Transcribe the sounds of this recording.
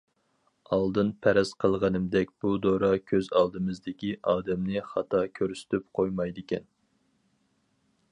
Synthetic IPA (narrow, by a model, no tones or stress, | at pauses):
ɑlˠd̪ɨnpʰæɾɛsqʰəlˠʁɑnɨmd̪ɛkʲb̥ud̪oɾɑkʲʰøzɑlˠd̪ɨmɨzd̪ɪkʲiʔɑːd̪ɛmnɨχɑt̪ʰɑkʲʰøɾsy̥t̪ʰyp̚qʰojmɑjd̪ɪkʲʰɛn